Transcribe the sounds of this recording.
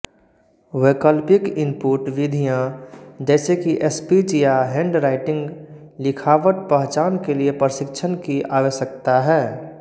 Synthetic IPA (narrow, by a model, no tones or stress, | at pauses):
weːkəlpɪkɪmpuːɾʈʋɪd̪ʱijãd͡ʒɛːsekiʔespid͡ʒijaɦẽɳɖɾaɪʈɪ̃ŋɡ | lɪkʰaːʋət̪̚pəɦt͡ʃaːnkeliepɾəsɪkt͡ʃʰənkiʔaːʋeʃəkt̪aɦɛː